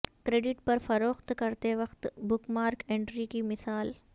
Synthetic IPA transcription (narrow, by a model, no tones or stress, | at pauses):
kɾeːɖɪʈpɐɾfɐɾoːxt̪kɐɾt̪eʋɐxt̪bʊkmaːɾkẽːɳɖɾikimɪsaːl